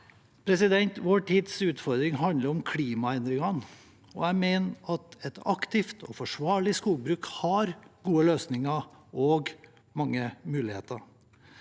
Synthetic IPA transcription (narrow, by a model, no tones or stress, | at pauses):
pʰɾɛsɪd̪ɛnt̪ʋoːʈʰiːd̪sʉːt̪fɔɾd̪ɾɪŋɦɑnd̪əɾɔmkʰliːmɑɛnd̪ɾɪŋɑn | ɔ̰æɪmeːnʔɑt̪ɛt̪ʰɑ̰kt̪ɪft̪ʰɔ̰fɔʂʋɑːɭɪskuːlbɾʉːkhɑɾɡuːəløːsnɪŋɑ | ɔɡ | mɑŋːəmʉːlɪhḛːt̪əɾ